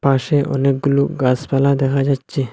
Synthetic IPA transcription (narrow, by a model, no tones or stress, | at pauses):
paːʃeʔɔ̰neɡʊluːɡaːspɛlad̪eːkʰad͡ʒaːt͡ʃe